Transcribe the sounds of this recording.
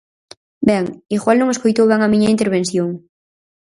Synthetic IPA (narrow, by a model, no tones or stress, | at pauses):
bɛŋiɣwalnõŋeskojt̪owβɛŋamĩɲɐint̪eɾβenθjoŋ